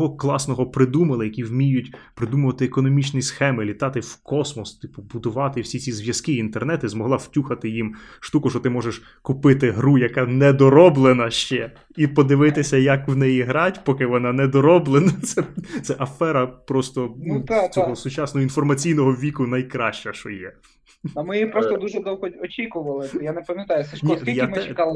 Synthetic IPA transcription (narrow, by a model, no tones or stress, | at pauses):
ɦɔklˠɑsnɔɦɔpɾɪd̪umɐlˠɪjɐkʲiwmʲijʊtʲpɾɪd̪umʊʋɐt̪ɪekɔnɔmʲit͡ʃnʲisxɛmɪlʲit̪ɑt̪ɪwkɔsmɔst̪ɪpʊbʊd̪ʊʋɑt̪ɪwsʲit͡sʲizʋʲjɐskɪint̪ernɛt̪izmɔɦlˠɑw̥tʲuxɐt̪ɪjimʃt̪ukʊʃɔt̪ɪmɔʒeʃ | kʊpɪt̪ɪɦɾujɐkɑnɛd̪ɔɾɔblˠenɐʃt͡ʃɛ | ipɔd̪ɪʋɪt̪ɪsʲɐjɐkwnɛjiɦɾɑtʲpɔkɪʋɔnɑnɛd̪ɔɾɔblˠenɐt̪sɛt̪sɛʔɐfɛɾɐpɾɔst̪ɔnt̪t͡sʲɔɦɔsʊt͡ʃɑsnɔɦɔinfɔrmɐt͡sʲijnɔɦɔʋʲikʊnɐjkɾɑʃt͡ʃɐʃt͡ʃɔjɛ | ɐmɪjipɾɔst̪ɔd̪uʒɛd̪ɔwɦɔɔt͡ʃʲikʊʋɐlˠɪjanepɐmʲjɐt̪ɑjʊsɐʃnisʲilʲmɪɛkɑlˠ